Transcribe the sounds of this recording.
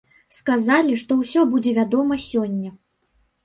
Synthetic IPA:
skazalʲiʂt̪ɔwsʲɔbud͡zʲɛvʲad̪ɔmɐsʲɔnʲːɐ

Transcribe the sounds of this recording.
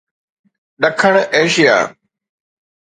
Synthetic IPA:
ɗɐkʰəɽ̃eːʃija̰ː

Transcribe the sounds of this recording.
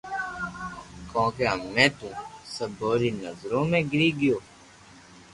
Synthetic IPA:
kõːkeːɦəmːẽːt̪ũːsəbʱoːɾiːnəzɾõːmẽːɡɪɾiːɡɪjoː

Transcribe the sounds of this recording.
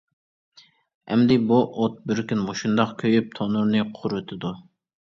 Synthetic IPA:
ɛ̰md̪ɪbuʔot̪̚bɪɾkʲynmoʃund̪ɑqkʲʰøjyp̚t̪ʰonuɾnɨqʰʊɾʊt̪ʰɨd̪u

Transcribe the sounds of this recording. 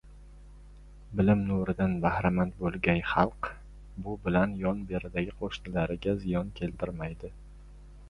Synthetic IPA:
bɪlɪmnuɾɪd̪anbahɾamant̪bolˠɡʲanχɑlˠq | bʊbɪlanjɒnbe̞ɾɪd̪aɡʲɪqʰoʃnɪlaɾɪɡʲazɪjɒnkʲʰe̞lt̪ʰɪɾmajd̪ɪ

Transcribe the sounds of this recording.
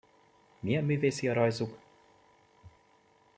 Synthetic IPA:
miɛmyːveːsiɒɾɒjzuk

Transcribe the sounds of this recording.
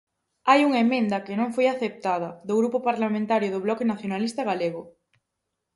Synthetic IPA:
ajuŋemẽnd̪ɐkɪnõŋfojaθep̚t̪aðɐðʊɣɾupʊpaɾlamẽnt̪aɾjʊðʊβlɔkenaθjonalist̪ɐɣaleɣʊ

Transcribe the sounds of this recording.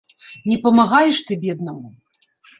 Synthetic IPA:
nʲɛpɐmaɣajɛʂt̪ɨbʲɛd̪nɐmu

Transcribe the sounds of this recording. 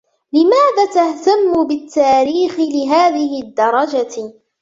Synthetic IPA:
lɪmaːðaːt̪aht̪amːʊbɪt̪ːaːɾiːxɪlɪɦaːðɪɦɪd̪ːɑɾˤɑd͡ʒa

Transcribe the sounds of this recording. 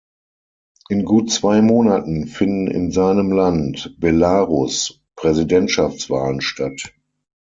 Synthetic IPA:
ʔɪnɡuːtt͡sv̥aɪmoːnatn̩fɪndn̩ɪ̰nzaɪnəmlantb̥ɛlaːʁʊs | pʁ̥ɛzidɛntʃaft͡sv̥aːlənʃtat

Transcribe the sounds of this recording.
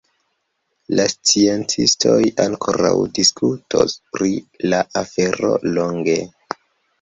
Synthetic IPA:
last͡sie̞nt͡sistʰo̞jʔaŋkʰo̞ɾawdiskʰutʰospɾilaʔafe̞ɾo̞̰lo̞ŋɡe̞

